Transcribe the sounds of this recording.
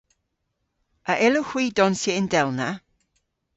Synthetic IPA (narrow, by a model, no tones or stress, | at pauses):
əʔɪləxw̥iːdɔnseɪndɛlˠna